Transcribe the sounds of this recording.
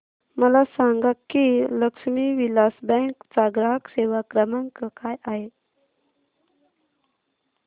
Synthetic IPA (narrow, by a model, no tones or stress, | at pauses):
məlasaŋɡakːiləkʂmiʋilasbə̃ŋkt͡saɡɾaɦəkseʋakɾəməŋkəkajaɦe